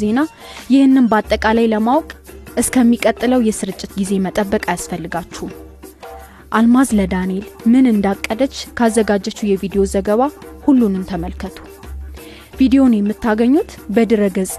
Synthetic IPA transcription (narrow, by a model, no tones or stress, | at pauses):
ze̞na | jɪhɨnːɨnbat̪ʼːəkʼalajləmawkʼʔɨskʰəmːikʼət̪ʼːɨləwjɛsɨɾɨt͡ʃʼːɪt̪ɡize̞mət̪ʼəbːəkʼajasfəlːɨɡat͡ʃːɛu | ʔalmazləd̪anie̞lmɨnɨnd̪akʼːəd̪ət͡ʃːkʰazːəɡad͡ʒːət͡ʃːujɛvid̪ejo̞zəɡəβahulːunɨnt̪ʰəməlkʰət̪ʰu̥ | vid̪ejo̞njɛmːɨt̪ːaɡəɲːut̪bəd̪ɨɾəɡəzʼ